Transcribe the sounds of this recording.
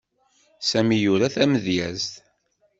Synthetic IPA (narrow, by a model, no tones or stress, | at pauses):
sæmijʊɾæθæməðjæzt̪